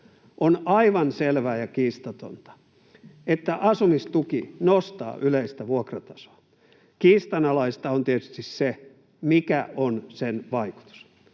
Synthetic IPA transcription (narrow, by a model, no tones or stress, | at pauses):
ʔonɑiʋɑnselʋæːjɑkiːst̪ɑt̪o̰nt̪ɑ̥ | et̪ːæʔɑsumist̪ukinost̪ɑ̰ːʔyleist̪æʋuokrɑt̪ɑ̥so̥ɑ | kiːst̪ɑnɑlɑist̪ɑont̪iet̪y̥st̪isse | mikæʔonsenʋɑiku̥t̪u̥s